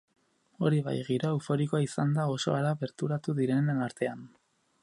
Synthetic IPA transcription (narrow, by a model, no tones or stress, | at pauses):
o̞ɾiβa̰jɣiɾoewfo̞ɾikoaisand̪ao̞so̞alaβe̞ɾt̪uɾat̪uðiɾe̞nnaɾt̪e̞an